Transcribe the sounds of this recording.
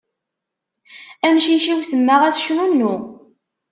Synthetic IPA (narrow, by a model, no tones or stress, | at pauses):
æmʃiʃiwsəmːəʁæθʃnunːu